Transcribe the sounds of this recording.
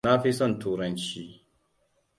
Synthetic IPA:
na˦ɸi˦sɔ˦˨ntʰuː˦ɾɐ˦nt͡ʃiː˦

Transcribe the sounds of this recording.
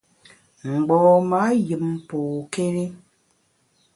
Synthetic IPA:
ŋ͡m̩˨ɡ͡bɔː˨ma˦jɨ˨m˦po˨ke˦ɾi˦

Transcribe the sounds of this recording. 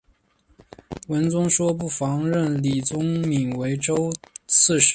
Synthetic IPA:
wə˧˥nt͡sʊ˥ŋʂwɔ˥p̬u˥˩fɑ˧˥ŋɻə˥˩nli˨˩t͡sʊ˥ŋmi˨˩ŋwe˧˥ɪʈ͡ʂo˥ʊt͡sʰɹ̩˥˩ʂ

